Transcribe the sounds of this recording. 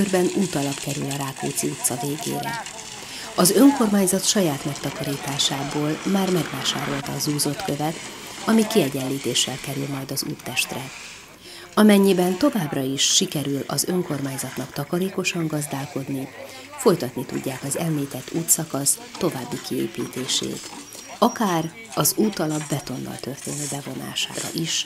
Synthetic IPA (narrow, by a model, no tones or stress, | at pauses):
ørbɛnuːt̪ɒlɒpkɛɾy̰lɒɾaːkṵːt̪siut̪sɒveːɡḛːɾɛ̰ | ɒzø̞ŋko̞rmaːɲzɒt̪ʃɒjaːt̪mɛkt̪ɒkɒɾiːt̪aːʃaːboːlmaːrmɛɡvaːʃa̰ːɾo̞lt̪ɒːzuːzo̞t̪kø̞vɛt̪ | ɒmikiɛɟɛllːiːt̪eːʃːɛlkɛɾylmɒjd̪ɒzṵːrt̪ːɛʃt̪rɛ | ɒmɛɲːibɛnt̪o̞vaːbrɒiʃːikɛɾylɒ̰zø̞ŋko̞rmaːɲzɒt̪nɒkt̪ɒkɒɾeːko̞ʃɒŋɡɒzd̪aːlko̞d̪ni | fo̞jt̪ɒt̪nit̪ṵɟːaːkɒzɛmliːt̪ɛt̪ʰːuːt̪sɒkɒst̪o̞vaːbːikiḛːpiːt̪eːʃḛːt̪ | ɒkaːr | ɒzuːt̪ɒlɒbːɛt̪o̞nːɒ̰lt̪ø̞rt̪ḛːnøːbɛvo̞na̰ːʃa̰ːɾɒ̰ʔiʃ